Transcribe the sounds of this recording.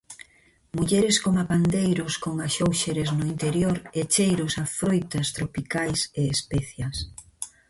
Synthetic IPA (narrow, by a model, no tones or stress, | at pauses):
muʎeɾɪskoŋapand̪ejɾʊskoŋaʃowʃeɾeznʊint̪eɾjoɾet͡ʃejɾʊsafɾojt̪ɐst̪ɾopikajseespɛθjɐs